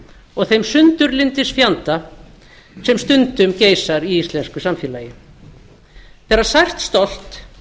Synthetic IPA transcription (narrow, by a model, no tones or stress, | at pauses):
ɔɣθejmsʏnt̪ʏɾlɪnt̪ɪsfjant̪a | sɛmst̪ʏnt̪ʏmceːjsaɾiist̪lɛnskʏsamfjɛːlajɪ | pɛɾasajr̥t̪st̪ol̥t̪